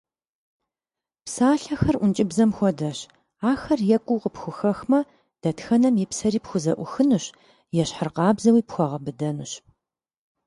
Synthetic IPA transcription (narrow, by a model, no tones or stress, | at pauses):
psaːɬɐxɐrʔʷʊnt͡ʃʼɪbzɐmxʷɔdɐɕ | aːxɐrjɛkʷʼʊːqəpxʷʊxɐxmɐ | d̥ɐtxɐnɐmipsɐɾiːpxʷʊzɐʔʷʊxɨnɨɕ | jɛɕħərqɑːbzɐwiːpxʷɔʁɐbɨdɐnɨɕ